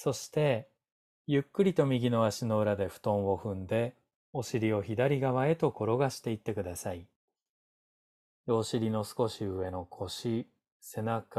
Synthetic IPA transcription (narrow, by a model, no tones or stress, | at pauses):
so̞ɕi̥t̪e̞ | jɯ̟kːɯ̟ɾʲit̪o̞mʲiɡʲino̞aɕino̞ɯ̟ɾad̪e̞ɸɯ̟̥t̪õ̞ɰ̃o̞ɸɯ̟̃nd̪e̞ | o̞ɕiɾʲio̞çid̪aɾʲiɡaβae̞t̪o̞ko̞ɾo̞ɡaɕi̥t̪e̞it̪ːe̞kɯ̟d̪asai | jo̞ːɕiɾʲino̞sɨ̥ko̞ɕiɯ̟βe̞no̞kʰo̞ɕi | se̞nak